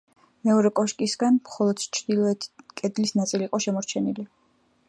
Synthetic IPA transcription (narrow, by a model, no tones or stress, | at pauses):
mɛɔɾɛkʼɔʃkʼisɡanmχɔlˠɔd̪̥t͡ʃʰɾd̪ilˠɔɛt̪ʰkʼɛd̪lisnat̪sʼiliqʼɔʃɛmɔɾt͡ʃʰɛnili